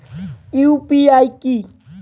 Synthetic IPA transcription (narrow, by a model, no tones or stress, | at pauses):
iupiajki